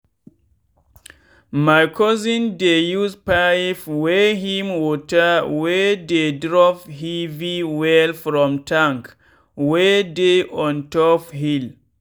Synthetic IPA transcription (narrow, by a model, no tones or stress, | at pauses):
majkʰɔzĩndejuzpaifwɛɦĩmwɔtəwɛdedɹɔphiviwɛlfɹɔ̃mtʰãŋk | wɛdeʔɔ̃ntɔfɦil